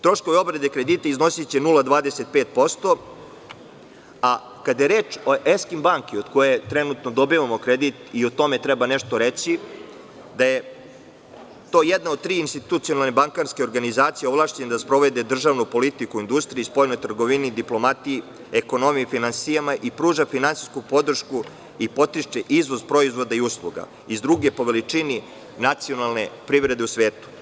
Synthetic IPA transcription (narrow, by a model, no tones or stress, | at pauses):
t̪ɾo̞ʃko̞ʋeo̞bɾed̪ekɾed̪it̪aizno̞sit͡ɕenulˠad̪ʋaːd̪eset̪̚peːt̪̚po̞st̪o̞ | a | kad̪jeɾeːt͡ʃoʔeskimbaːŋkio̞d̪ko̞jet̪ɾenut̪nod̪o̞biʋamo̞kɾed̪it̪iot̪o̞me̞t̪ɾɛbaneʃt̪o̞ɾet͡ɕi | d̪aje | t̪o̞ːjed̪naod̪̚t̪ɾiːinst̪it̪ut̪sio̞nalnebaŋkanskeoɾɡanizaːt̪sijeoʋlˠaːʃt͡ɕened̪aspɾo̞ʋed̪e̞d̪r̩ʒaʋnupo̞lit̪ikuind̪ust̪ɾijispo̞jnojt̪r̩ɡoʋinid̪iplˠo̞mat̪iji | eko̞no̞mijifinansijamaʔipɾuːʒafinansiskupo̞d̪r̩ʃku | ipo̞t̪iʃt͡ʃeʔizʋo̞zpɾo̞izʋo̞d̪aiuslˠuɡa̰ | izd̪ɾuɡe̞po̞ʋe̞lit͡ʂini | nat̪sio̞nalˠne̞pɾivɾe̞d̪e̞usʋe̞ːt̪u̥